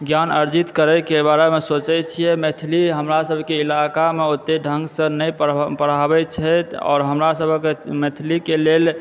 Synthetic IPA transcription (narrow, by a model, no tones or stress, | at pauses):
ɡjanəɾd͡ʒit̪kəɾɛkebaɾemesot͡ʃɛt͡ʃʰijɛmet̪ʰiliɦəmɾasəbʱkeilakameot̪ːeɖʱə̃ŋɡsə̃nəjpəɾ̤abɛt͡ʃʰət̪ɔ̰ːɾɦəmɾasəbʱəkemet̪ʰilikelel